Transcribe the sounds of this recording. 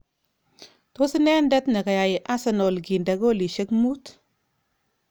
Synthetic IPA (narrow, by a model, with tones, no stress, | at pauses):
to˦si˦nɛ˦ndɛ˦tnɐ˨ka˨ja˨ji˨ʔa˦sa˨no˨lɡi˨nda˨ɡo˦li˨ʃe˦kmu˦t